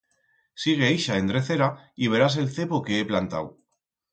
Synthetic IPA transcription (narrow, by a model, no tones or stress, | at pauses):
siɣ̞e̞iʃaend̪ɾeθe̞ɾaiβ̞e̞ɾas̬e̞lθe̞poke̞eplant̪a̰w